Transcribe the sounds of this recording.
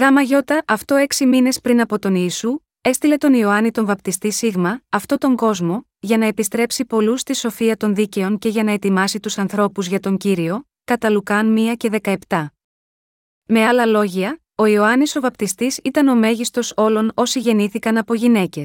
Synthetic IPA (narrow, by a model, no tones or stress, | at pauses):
ɣɐmɐʝo̞t̪ɐʔɐft̪o̞e̞ksimine̞spɾinɐpo̞t̪o̞niːsu | e̞st̪ile̞t̪o̞nio̞ɐnit̪o̞ɱvɐpt̪ist̪isiɣmɐːft̪o̞t̪o̞ŋɡo̞zmo̞ | ʝɐnɐe̞pist̪ɾe̞psipo̞lust̪iso̞fiɐt̪o̞nðice̞o̞ŋce̞ʝɐnɐe̞t̪imɐsit̪usɐnθɾo̞puzʝɐt̪o̞ɲɟiɾio̞ | kɐt̪ɐlukɐnmiɐce̞ðe̞kɐe̞pt̪ɐ | me̞ɐlɐlo̞ʝiɐ | o̞io̞ɐniso̞vɐpt̪ist̪isit̪ɐno̞me̞ʝist̪o̞so̞lo̞no̞siʝe̞niθikɐnɐpo̞ʝine̞ce̞s